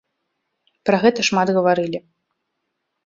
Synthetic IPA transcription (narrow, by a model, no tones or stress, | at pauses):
pɾɐɣɛt̪ɐʂmad̪ɣɐvaɾɨlʲi